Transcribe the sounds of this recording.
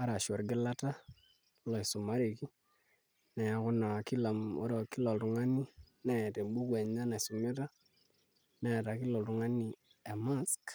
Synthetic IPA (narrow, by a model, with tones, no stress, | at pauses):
a˦ɾa˨ʃɔ˨ɾɡɪ˦la˦ta˦ | lɔ˨i˨su˨ma˦ɾe˨ki˦ | nɛ˨ja˨kʊ˦na˨ki˦la˨mo̰˦ɾo˨ki˦lɔ˨ltʊ˨ŋa˦ni˦nɛ˦˨te˨mbu˦kwe˨ɲa˦na˨su˨me˦ta˦ | nɛ˦˨ta˨ki˦lɔ˨ltu˨ŋa˦ni˨ | e˨ma˦sk